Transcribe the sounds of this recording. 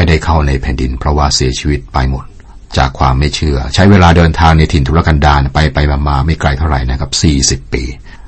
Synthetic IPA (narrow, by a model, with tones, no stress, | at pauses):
a˥˩jda˥˩jkʰa˥˩wna˧jpʰɛː˨˩ndi˧npʰɾɔ˦˥waː˥˩si˨˩˦ɐt͡ɕʰiː˧wi˦˥t̪̚pa˧jmo˨˩t̪̚ | t͡ɕa̰ː˨˩kʰwaː˧mːa˥˩jt͡ɕʰɯ˥˩ɐt͡ɕʰa˦˥jweː˧laː˧dɤː˧nt̪ʰaː˧ŋna˧jt̪ʰi˨˩nt̪ʰu˦la˦˧˩ka˧ndaː˧˩npa˧jpa˧jmaː˧maː˧ma˥˩jkla˧jt̪ʰa˥˩ɾa̰˨˩jna˦˥kʰa˦˩p̚siː˨˩si˨˩pːḭː˧